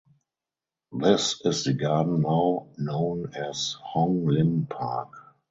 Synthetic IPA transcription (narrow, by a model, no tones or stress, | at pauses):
ðɪsɪsðəɡadn̩naʊnõʊ̃nɛshɔ̃ŋlɪ̃mpʰa̰k